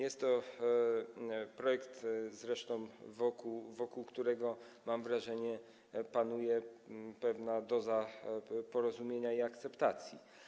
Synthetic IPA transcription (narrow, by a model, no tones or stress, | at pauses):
jɛst̪ːɔ | pɾɔjɛkt̪zɾɛʂt̪ɔ̃w̃vɔkuvɔkuwkt̪uɾɛɡɔ | mamvɾaʐɛɲɛ | panujɛpɛvnad̪ɔzapɔɾɔzumʲjeɲaiakt̪sɛpt̪at̪sʲji